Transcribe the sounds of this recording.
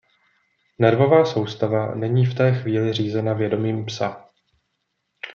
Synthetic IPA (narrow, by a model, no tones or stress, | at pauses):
nɛɾvo̞vaːso̞wst̪avanɛɲiːft̪ɛːxviːlɪr̝iːzɛnavjɛdo̞miːmpsa